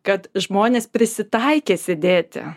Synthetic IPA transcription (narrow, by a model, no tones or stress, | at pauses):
kɐt̪ʒmoːnʲeːspʲɾʲɪsʲɪt̪ɐɪkʲeːsʲɪd̪ʲeːt̪ʲɪ̰